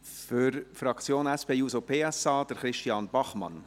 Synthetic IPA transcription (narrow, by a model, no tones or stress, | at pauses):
fʏɾfɾɑkt͡sjoːnɛspʰeːjuːsopʰeːɛsɑːd̥əɾχɾɪʃtiɑnb̥ɑχmɑ̰n